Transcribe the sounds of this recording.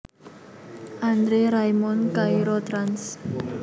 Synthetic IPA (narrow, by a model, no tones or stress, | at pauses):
ʔand̪ɾeɾajmɔnkaiɾɔt̪ɾans